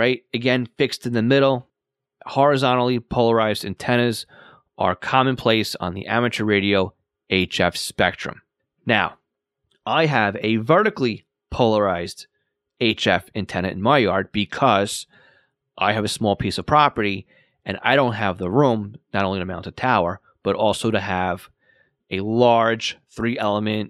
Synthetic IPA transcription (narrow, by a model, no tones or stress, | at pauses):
ɹaɪt̚ɨɡɛ̃nfɪkstɨ̃n̩ðɨmɪɾl̩ˠ | hɔɹɨzɑ̃ñl̩ˠipʰoʊlˠə˞aɪzdɨ̃ntʰɛñɨz | ʔə̰˞kʰɑmɨ̃npʰl̥eɪsn̩ðḭʔæ̰mɨt͡ʃə˞ɹeɪɾioʊ | eɪt͡ʃɛfspɛk̚tɹ̥ɨ̰̃m | naʊ | ʔaɪɨvɨvɜ˞ɾɨkli | pʰoʊlˠə˞aɪzd | eɪt͡ʃɛfɨ̃ntʰɛ̃nɨɾɨ̰̃n̩maɪjɑɹd̚b̥ɨkʰʌz̥ | ʔaɪɨvɨsmɔlˠpʰisʌv̥pʰɹ̥ɑpə˞ɾi | ʔɨ̃na̰ɪɾõʊ̃nt̚ɦɨvðəɹũmnɨɾõʊ̃nliɾɨmãʊntʌv̥tʰaʊə˞ | b̥ʌɾɔlˠsoʊɾɨəv | ɨlɑɹd̥ʒ̥θɹiʔɛlˠəmɨ̃nt